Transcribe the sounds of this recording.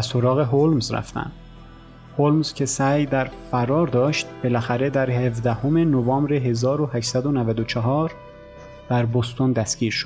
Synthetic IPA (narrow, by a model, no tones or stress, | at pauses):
soɾɒːɣe̞ɦolmzɾæ̰ft̪æ̰nd̪̥ | holmz̥cʲʰe̞sæːjd̪æɾfæɾɒːɾd̪ɒːʃt̪b̥e̞læxæɾe̞d̪æɾhevd̪æhome̞novɒːmbɾeɦe̞zɒːɾohæʃsæd̪onævæd̪ot͡ʃʰɑɦɒːɾ | d̪̥æɾbost̪ond̪æsɡ̥ʲiːɾʃod̪